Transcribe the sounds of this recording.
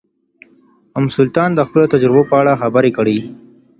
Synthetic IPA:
ʊmsʊlt̪ɑnd̪əxpəlot̪ad͡ʒɾɪbopəaɽaxabəɾekəɽi

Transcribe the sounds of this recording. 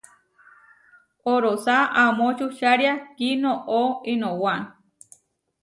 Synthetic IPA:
oɾosaʔamõt͡ʃuʃaɾjakinõʔoinõwan

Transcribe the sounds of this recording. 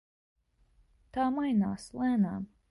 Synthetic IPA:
t̪aːmajna̰ːslæːnaːm

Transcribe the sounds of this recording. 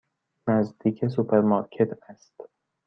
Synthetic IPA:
næzd̪iːcʰes̬upʰeɾmɑːɾcʰe̞t̪ʰæst̪

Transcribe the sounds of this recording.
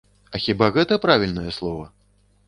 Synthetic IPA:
ɐxʲibaɣɛt̪ɐpɾavʲilʲnɐjɛslˠɔvɐ

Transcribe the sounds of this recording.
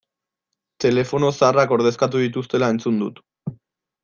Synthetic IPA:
t̪e̞le̞fo̞no̞sarako̞ɾðe̞skat̪̬uðit̪ust̪e̞lae̞nt͡sund̪ut̪

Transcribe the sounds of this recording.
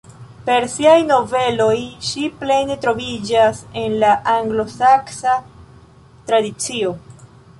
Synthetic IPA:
pe̞ɾsiajno̞ve̞lo̞jʃiple̞ne̞tɾo̞vid͡ʒase̞nlaʔaŋɡlo̞saksa | tɾadit͡sio̞

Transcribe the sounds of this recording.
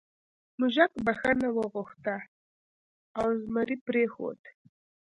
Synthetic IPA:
mʊʒakbaxanawəɣʊxt̪a | awzmaɾipɾexo̰d̪

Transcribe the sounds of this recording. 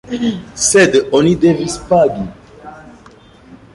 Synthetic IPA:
sedonidevispaɡi

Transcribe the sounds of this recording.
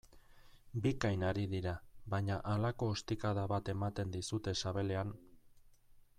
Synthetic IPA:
bikajnaɾiðiɾaβaɲaʔalako̞ːst̪ikaðaβat̪e̞mat̪e̞nd̪isut̪e̞saβe̞le̞an

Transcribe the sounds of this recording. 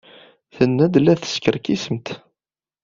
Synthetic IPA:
θənːæd̪læθə̥skəɾkisəmt̪

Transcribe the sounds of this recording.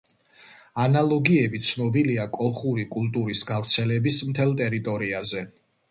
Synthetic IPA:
analˠɔɡiɛbit̪sʰnɔbiliakʼɔlˠχuɾikʼulˠt̪ʼuɾisɡavɾt̪sʰɛlɛbismt̪ʰɛlˠt̪ʼɛɾit̪ʼɔɾiazɛ

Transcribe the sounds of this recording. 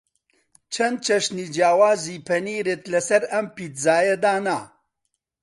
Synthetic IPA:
t͡ʃʰɐnd̪̚t͡ʃʰɐʃniːd͡ʒjaːwaːziːpʰɐniːɾeːt̪lɐsɐɾɐmpiːt̪zaːjɐd̪aːnaː

